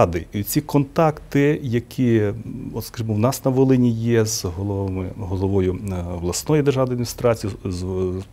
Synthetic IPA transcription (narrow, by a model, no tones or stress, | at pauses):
d̪ɪit͡sʲikɔnt̪ɑkt̪ɪjɐkʲʰiɔt̪skɐʒimɔwnɑsnɐʋolˠɪnʲijɛzɦɔlˠɔmɪɦɔlˠɔʋɔjʊʋlˠɐsnɔjʊd̪erʒɑd̪ɐd̪ʲmʲist̪ɾɑt͡sʲijz